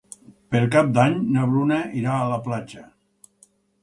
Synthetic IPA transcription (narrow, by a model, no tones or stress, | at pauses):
peɾkap̚d̪aɲnəβɾunəiɾaːləplad͡ʒə